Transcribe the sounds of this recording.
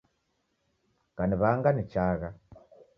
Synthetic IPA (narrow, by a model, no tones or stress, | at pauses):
kaniβaŋɡanit͡ʃaːɣa